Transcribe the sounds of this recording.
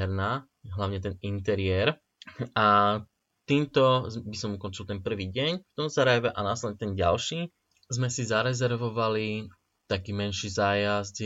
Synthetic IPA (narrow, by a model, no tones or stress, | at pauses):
ɛɾnaː | ɦlaʊɲɛt̪ɛnint̪ɛɾɪɛɾ | a | t̪iːmt̪ɔbisɔmukɔnt͡ʃilt̪ɛnpr̩ʋiːɟɛɲft̪ɔmzaɾajʋɛʔanaslɛdɲɛt̪ɛnɟa̰lʃiː | zmɛsizaɾɛzɛɾʋɔʋali | t̪akiːmɛnʃiːzaːjazɟ